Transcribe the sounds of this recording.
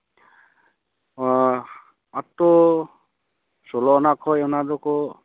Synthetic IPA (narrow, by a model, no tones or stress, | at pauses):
atɔ | sɔlɔɔnakʰɔjɔnadɔkɔ